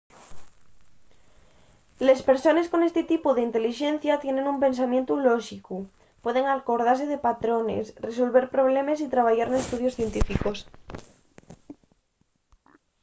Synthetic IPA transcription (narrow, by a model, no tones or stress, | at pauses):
le̞spe̞ɾso̞ne̞sko̞ne̞st̪et̪ipuðeint̪e̞liʃẽ̞n̟θjat̪je̞nẽ̞numpẽ̞ns̬amjent̪uloʃiku | pwe̞ðe̞ŋalko̞ɾð̞aɾse̞ð̞e̞pat̪ɾo̞ne̞̰sres̬o̞lβe̞ɾpɾo̞βle̞mes̬it̪ɾaβ̞aʝaɾnest̪uð̞jo̞sθje̞nt̪ifiko̞s